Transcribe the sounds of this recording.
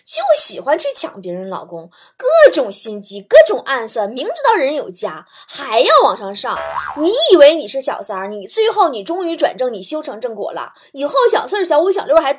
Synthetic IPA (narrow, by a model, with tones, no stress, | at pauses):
t͡ɕjo˥˩ʊɕi˨˩xwa˥nt͡ɕʰy˥˩t͡ɕʰjɑ̰˨˩˦ŋpjɛ˧˥ɻə˧˥nlɑ̰˨˩ʊkʊ˥ŋ | kɤ˥˩ʈ͡ʂʊ˨˩ŋɕi˥nt͡ɕi˥kɤ˥˩ʈ͡ʂʊ˨˩ŋʔa˥˧nswa˥˩nmi˧˥ŋʈ͡ʂɻ̩˧˥t̪ɑ˥˩ʊɻə˧˥njo˨˩ʊt͡ɕja˥ | xa˧˥ɪjɑ˥˩ʊwɑ˨˩ŋʂɑ˥˧ŋʂɑ̰˥˩ŋni˧˥i˨˩we˧˥ɪni˨˩ʂɻ̩˥˩ɕjɑ̰˨˩ʊsə˞˧˥ni˨˩t͡swe˥˧ɪxo˥˩ʊni˨˩ʈ͡ʂʊ˥ŋy˧˥ʈ͡ʂwa̰˨˩nʈ͡ʂɤ˥˩ŋni˨˩ɕjo˥ʊʈ͡ʂʰɤ˧˥ŋʈ͡ʂɤ˥˧ŋkwɔ̰˨˩lə̰˧ | i˨˩xo˥˩ʊɕjɑ˨˩ʊsɕjɑ˧˥ʊu˧˥ɕjlj